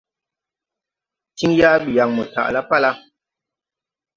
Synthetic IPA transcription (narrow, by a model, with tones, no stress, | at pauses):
ti˦ŋja˦bi˨ja˨ŋmə˨ta̰˨ʔla˦pa˦la˦